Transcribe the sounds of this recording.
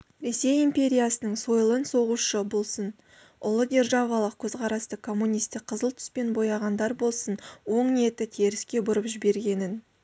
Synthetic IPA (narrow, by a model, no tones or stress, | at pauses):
ɾe̞se̞jimpʲe̞ɾʲijasənəɴso̞jlˠənso̞ʁuʃəbo̞lˠsən | ʊlˠəɡʲe̞rʒɑvɑlˠəq̚kʲʰɵzqʰɑɾɑst̪əkʰːo̞mːunʲijst̪ɪk̚qʰːəzəlˠt̪ʰʏ̥spe̞nbo̞jɑʁɑnd̪ɑɾbo̞lˠsənwo̞ɴne̞t̪ɪt̪ʰeɾɪskʲe̞bʊɾəpʒɪbe̞ɾɡʲe̞nɪn